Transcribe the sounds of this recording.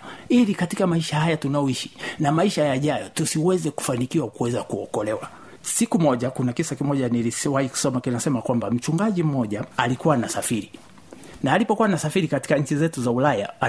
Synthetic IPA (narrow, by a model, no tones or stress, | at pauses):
ilikatikamaiʃahajatunajɔiʃi̥namaiʃajaʄajɔtusiwɛzɛku̥fanikiwakuwɛzakuɔkɔlɛwa | sikumɔʄakunakisakimɔʄaniliswahiku̥sɔmakinasɛmakwambam̩t͡ʃuŋɡaʄim̩ɔʄaalikuwanasafiɾi | naːlipɔkuwanasafiɾikati̥kaɲ̩t͡ʃizɛtuzaulaja